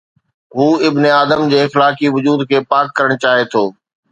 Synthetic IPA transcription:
ɦuːɪbneaːd̪əmd͡ʑeːɪxlaːkiʋʊd͡ʑuːd̪kʰeːpaːkːɐɾəɽ̃t͡ɕaːɦet̪ʰoː

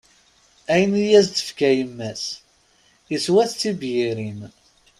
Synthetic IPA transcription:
æjənijæzt̪ə̥fkæjəmːæs | jəswæθθibjiɾim

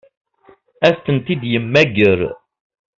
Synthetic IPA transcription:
æθθənt̪id̪jəmːæɡəɾ

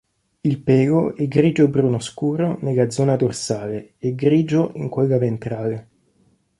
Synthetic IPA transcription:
ilpɛːɡoɛɡɾiːd͡ʒobɾunoskuːɾoneɡad̪zːɔːnad̪orsaːleːɡɾiːd͡ʒoʔiŋkweɡavent̪ɾaːle

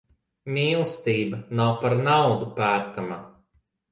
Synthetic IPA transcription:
mʲiːlˠst̪iːbanawpaɾnawd̪upæːɾkama

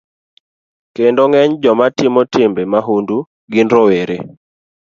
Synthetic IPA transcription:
kendoŋɛɲd͡ʒɔmatɪmɔtɪmbemaɦundu | ɡɪnɾɔweɾḛ

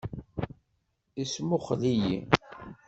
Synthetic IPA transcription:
ismʊχlijḭ

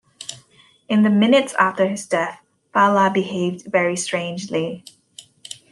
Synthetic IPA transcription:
ɨ̃nðɨmɪ̃nɨtsæ̰ftə˞ɨzdɛθ | palabɨheɪvdvɛɹistɹ̥ẽɪ̃nd͡ʒli

